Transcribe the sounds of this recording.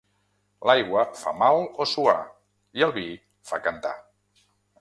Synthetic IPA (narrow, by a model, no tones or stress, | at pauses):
lajɣwəfa̰malˠosua̰ | iəlˠβi | fakənt̪a̰